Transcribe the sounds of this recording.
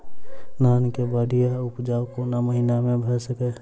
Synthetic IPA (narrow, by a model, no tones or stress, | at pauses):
naːnkebaːɽijaʊpd͡ʒaːwkoːnaməɦinamẽbʱəɾsəkɛ